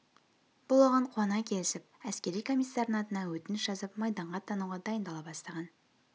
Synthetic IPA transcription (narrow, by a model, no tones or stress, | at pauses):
b̥ʊlˠoʁɑɴqʰonɑkʲʰe̞lɪsɪp̚æskʲe̞ɾijkʰo̞mijsːɑɾnnɑt̪ənɑwɵt̪ɪnɪsʒɑzəpmɑjd̪ɑɴʁɑt̪ʰɑnuʁɑd̪ɑjənd̪ɑlˠɑbɑst̪ɑʁɑn